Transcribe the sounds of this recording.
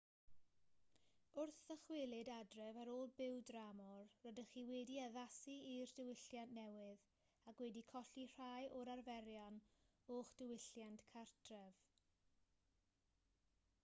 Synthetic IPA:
ʊrθəχwɪlˠɪdadrɛvəɾoːlˠbɪwdramɔrːɔdəχiːwɛdiəðasiirdɪwɪɬjanʔnɛwɪð | akwɛdikʰɔɬir̥ajʔɔɾarvɛɾjɔn | oːχd̥ɪwɪɬjantkʰartʰrɛv̥

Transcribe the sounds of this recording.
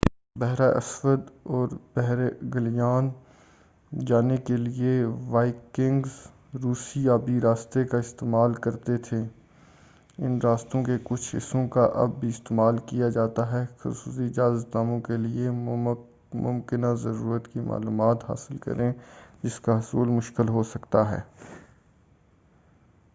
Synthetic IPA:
bɛɦɾaːʔɐ̰swəd̪ɔːɾb̥ɛɦɾeɡɐlijaːn | d͡ʒaːnekelieʋaːɪkɪ̃ŋɡz | ɾuːsiaːbʱiɾaːst̪ekaɪst̪eːmaːlkɐɾt̪et̪ʰeː | ɪnɾaːst̪õkekʊt͡ʃʰɪ̰sõkaʔɐ̰bːiɪst̪eːmaːlkijad͡ʒaːt̪aɦɛxʊ̰suːsiɪd͡ʒaːzət̪naːmõkelie | mʊ̰̃mkɪnazɐɾuːɾət̪kima̰ːluːmaːt̪ɦa̰ːsɪlkɐ̰ɾẽd͡ʒɪskaɦʊsuːlmʊʃkɪlɦosɐkt̪aɦɛ̰ː

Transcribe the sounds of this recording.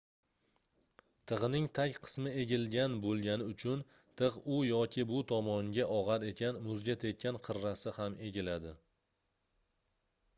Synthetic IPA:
t̪ʰɨʁɨnɪŋt̪ʰakʲqʰɨ̥smɪe̞ɡʲɪlɡʲanbolˠɡʲanɪʊt͡ʃʰʊn | t̪ʰɨʁʊjɒkʲʰɪbʊt̪ʰɒmɒŋɡʲaʔɒʁɑɾe̞kʲʰanmʊzɡʲat̪ʰe̞t̪̚kʰʲanqʰɨɾːasɪhamʔe̞ɡʲɪlad̪ɪ

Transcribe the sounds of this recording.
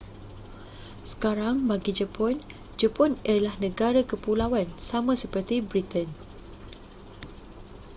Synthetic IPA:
sə̥kaɾaŋbaɡid͡ʒəpɔn | d͡ʒəpɔnəlahnə̃ɡaɾakəpulawansamãsəpərt̪ibɾit̪ən

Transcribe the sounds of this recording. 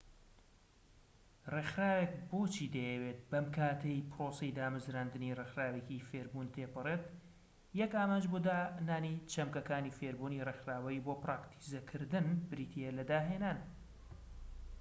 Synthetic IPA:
rexɾaːwek̚boːt͡ʃʰiːd̪ɐjɛwet̪̚bɐmkʰaːt̪ʰejpɾoːsɛjd̪aːmɨzɾaːnd̪ɨnirexɾaːwecifeɾbuːnt̪ʰeːpɨreːt̪ | jɛkaːmaːnd͡ʒbod̪aːnaːnit͡ʃʰɐmkɐkaːniːfeɾbuːniːrexɾaːwɐiboːpɾaːkt̪ʰi̥zɐkʰɨɾd̪ɨnbɨɾiːt̪ʰielɐd̪aːɦeːnaːn

